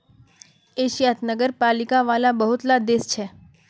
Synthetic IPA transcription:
eːʃjat̪nəɡəɾpaːlɪkaʋaːlabəɦʊt̪lad̪est͡ʃʰɛː

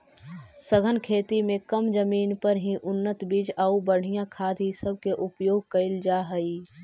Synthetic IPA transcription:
səɡʱənkʰeːt̪imẽkəmd͡ʒəmiːnpəɾɦĩʔʊnːət̪biːd͡ʒaubəɽ̤ijãkʰaːd̪ʱɦisəb̚keʔʊpjoːɡ̚kɐɪld͡ʒaːɦəi

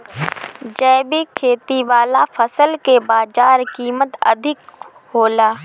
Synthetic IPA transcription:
d͡ʒɛːbikʰeːt̪iʋaːlafʰəsəlkebaːd͡ʒaːɾkiːmət̪ɐ̰d̪ʱɪk | hoːlaː

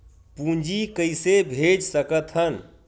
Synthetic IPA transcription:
pũɲd͡ʒikəjsebʱed͡ʒsəkət̪ʰɦən

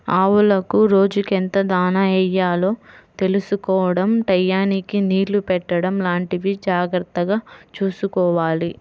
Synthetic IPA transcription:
aːwulɐkuɾo̞ːd͡ʒukent̪ɐd̪aːnɐɛjːaːlo̞ːt̪e̞lusukɔːʋɐɽɐmʈɐjːaːnikiniːɾlupɛʈːɐɽɐmlaːɳʈiʋid͡ʒaːɡɾɐt̪ːɐɡaːt͡ʃuːsukɔːʋaːli

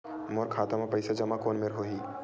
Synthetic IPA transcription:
moːɾkʰaːt̪amãpɐɪsad͡ʒɐmakoːnmeɾɦoːɦiː

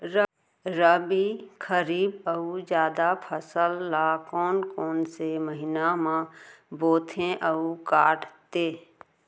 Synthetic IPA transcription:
ɾə | ɾəbikʰəɾiːbəud͡ʒjaːd̪apʰəsəlːakɔːnkɔːnseməɦɪnamãboːt̪ʰẽʔəukaːʈt̪eː

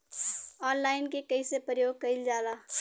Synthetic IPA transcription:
ɔːnlaːɪnkekɐisepɾəjoːɡ̚kəɪld͡ʒaːlaː

